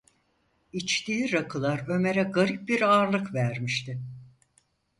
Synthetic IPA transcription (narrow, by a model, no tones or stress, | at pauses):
it͡ʃt̪iːɾakʰɯlˠaɾø̞me̞ɾɛɡaɾip̚biɾaːɾlˠɯkvæɾmiʃt̪ɪ